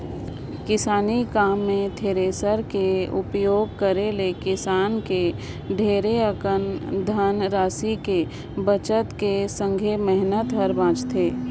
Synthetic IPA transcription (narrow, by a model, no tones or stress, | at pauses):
kɪsaːnikaːmːẽt̪ʰeːɾeːsəɾkeʊpjoːɡ̚kəɾelekɪsaːnke | ɖʱeːɾeəkənd̪ʱənɾaːsike | bət͡ʃət̪kesə̃ŋɡʱemɛɦnət̪ɦəɾbãːt͡ʃt̪ʰeː